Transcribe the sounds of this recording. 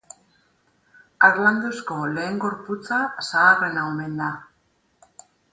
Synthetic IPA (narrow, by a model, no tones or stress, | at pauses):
aɾland̪osko̞le̞ːŋɡo̞ɾput͡sasaːre̞naome̞nd̪a